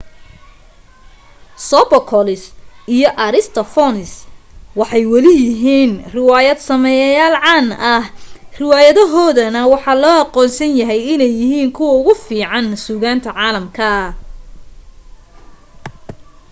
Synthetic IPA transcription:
sɔbɐkʰɔlɪsijɔʔɐɾɪst̪ʰɐfɔnɪswɑħɑjwɐlɪjɪɦiːnrɪwaːjɐd̪sɐmɛjɐjaːlʕɑːnʔɐhrɪwaːjɐðɔɦɔːðɐnɐwɑħɑːlɔːɑqɔːnsɐnjɐɦɛjɪnɛjːɪɦiːŋkʰʊwɐʊɣʊfiːʕɑnsuːɣaːnt̪ʰɐʕɑːlɐmkʰɐ

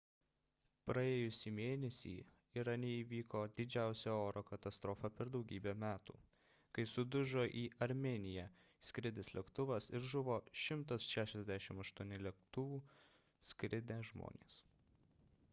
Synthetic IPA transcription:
pɾɐeːjʊsʲiːmʲeːnʲɛsʲḭː | ɪɾɐnʲeiːʋʲiːkoːd̪ʲɪd͡ʒʲæˑʊsʲɛoːɾoːkɐt̪ɐst̪ɾɔfɐpʲɛɾd̪ɒʊɡʲiːbʲɛmʲæːt̪ṵː | kɐɪsʊd̪ʊʒoːʔiːɐɾʲmʲenʲɪjɛ | sʲkɾʲɪd̪ʲɪslʲɛkt̪ʊʋɐsɪɾʒʊʋoːʃʲɪmt̪ɐsʃʲæːʃʲɛzʲd̪ʲæʃʲɪmɐʃt̪uɔnʲɪlʲɛkt̪ʊʋuː | sʲkʲɾʲɪd̪ʲæʒmo̰ːnʲḛːs

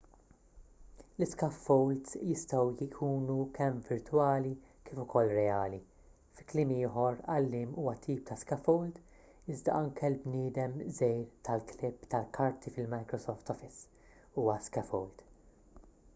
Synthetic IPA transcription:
lɪskɐfːɔwld̪sjɪst̪ɐwjɪkʰuːnukʰɛmvɪɾt̪wɐːlikɪːfʊkʰɔlːɾɛɐːli | fɪklɪːmiːħɔɾɐlːɪːmuːwɐt̪ʰiːp̚t̪ɐskɐfɔwld̪ | ɪzd̪ɐ̰ʔɐŋkɛlbnɪːd̪ɛmzɛjɾt̪ɐlklɪpːt̪ɐlkʰɐɾt̪ʰifɪlmɐjkɾɔsɔːft̪ɔfɪs | uːwɐskɐfɔwld̪

